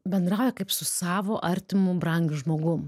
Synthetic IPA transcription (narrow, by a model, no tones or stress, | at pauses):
bʲɛnd̪ɾɑˑʊjɛkɐɪpsʊsɑːʋoːʔɐɾʲt̪ʲɪmʊbɾɐŋʲɡʲʊʒmoːɡʊm